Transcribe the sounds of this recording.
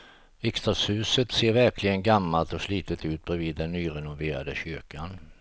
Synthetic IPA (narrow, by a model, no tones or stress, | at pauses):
ɪkst̪ashʉ̟ːsət̪seːɾvæɾkʰlɪɡənɡamːalt̪ɔsliːt̪ət̪ʉ̟ːt̪̚bɾɛviːd̪ːɛnːyːɾɛnʊveːɾa̰d̪əɕʏɾkan